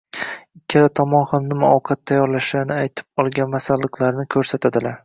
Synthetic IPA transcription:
ɪkʲʰːalat̪ʰɒmɒnhamnɪmaɒwqʰɑt̪ːʰajːɒɾlaʃlaɾnɪajt̪ʰɪ̥p̚ɒlˠɡʲanmasalˠːɨqʰlˠaɾnɪkʲʰɵɾsat̪ʰad̪ɪlaɾ

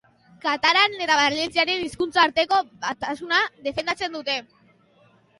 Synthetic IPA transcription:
kat̪aɾanet̪aβalent͡siaɾe̞niskunt͡saːɾt̪e̞ko̞βat̪asunaðe̞fe̞nd̪at͡se̞nd̪ut̪e̞

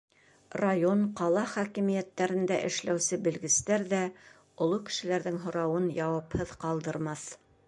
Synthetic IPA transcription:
rajo̞nqɑlˠɑχækimijæt̪ːæɾɘ̆nd̪æʔɘ̆ʃlæwsɘbɘ̆lɡɘ̆st̪æɾðæ | ŏlˠokɘ̥̆ʃɘ̆læɾðɘŋɦŏɾɑwɤnjɑwɑphɤðqɑlˠd̪ɤ̆ɾmɑθ

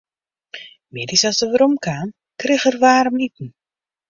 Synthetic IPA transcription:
mɪdisasdəʋəɾomkʰaːn | krɪxərʋaːɾəmitn̩

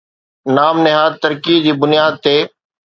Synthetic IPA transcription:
naːmnɪɦaːd̪t̪əɾkiːd͡ʑiːbʊnɪjaːd̪̚t̪eː

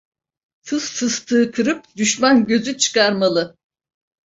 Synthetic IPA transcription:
sʰɯzːɯst̪ʰɯːkʰɯɾɯp̚d̪yʃmanɟø̞zyt͡ʃʰɯ̥kʰaɾmalˠɯ

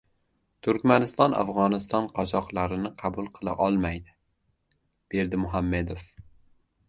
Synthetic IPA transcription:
t̪ʰʊɾkʲmanɪst̪ɒnʔa̰fʁɒnɪst̪ɒnqʰɒt͡ʃɒqlˠaɾɪnɪqʰɑbʊlˠqʰɨlˠa̰ʔɒlˠmajd̪ɪ | b̥e̞ɾd̪ɪmʊɦamːe̞d̪of

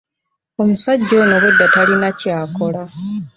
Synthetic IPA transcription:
o̞musaɟːo̞ːnoβudːatalinacaːko̞la

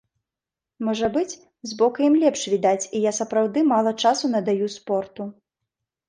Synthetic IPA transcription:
mɔʐɐbɨt͡sʲ | zbɔkɐjimlʲɛpʂvʲid̪at͡sʲijasɐpɾawd̪ɨmalˠɐt͡ʂasunɐd̪ajuspɔrt̪u

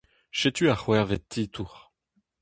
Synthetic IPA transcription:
ʃɛt̪yaχwɛʁvɛt̪ːit̪uːʁ

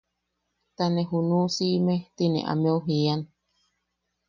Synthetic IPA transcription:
t̪anẽɦunũsimet̪inḛ̃ʔa̰meuɦian

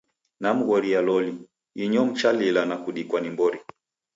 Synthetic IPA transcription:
nam̩ɣɔɾialɔli | iɲɔm̩t͡ʃalilanakuɗikwanimbɔɾi

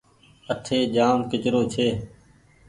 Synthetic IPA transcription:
əʈʰeːd͡ʒaːnkɪt͡ʃɾoːt͡ʃʰeː

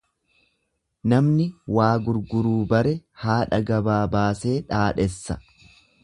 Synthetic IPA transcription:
nɐmnɪwaːɡʊɾɡʊɾuːbɐɾɛhaːᶑɐɡɐbaːbaːse̞ːᶑaːᶑɛsːɐ̰

